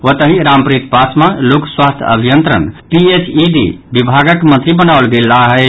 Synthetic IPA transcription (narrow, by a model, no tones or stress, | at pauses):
ot̪əɦĩɾampɾit̪pasmalokswast̪ʰə̰bʱijənt̪ɾə̰npiet͡ʃiɖḭbibʱaɡəkmə̃nt̪ɾibənaolɡelːaɦɛ